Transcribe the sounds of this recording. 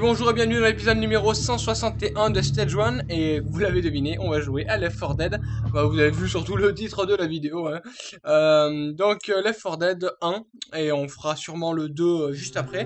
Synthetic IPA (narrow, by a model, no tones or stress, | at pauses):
bɔ̃ʒuʁebjɛ̃nyd̪ɑ̃lepizɔd̪nymeʁosɑ̃swasɑ̃t̪eʔɛ̃d̪əst̪ɛʒwanevulaved̪əvineʔɔ̃vaʒueʔalɛfːɔʁd̪ɛd̪bavuzavevysyʁt̪ulət̪it̪χəd̪əlavid̪eoɛ̃ømd̪ɔ̃klɛfɔʁd̪ɛd̪ɛ̃eɔ̃fəʁasyʁmɑ̃ləd̪øʒyst̪apχɛ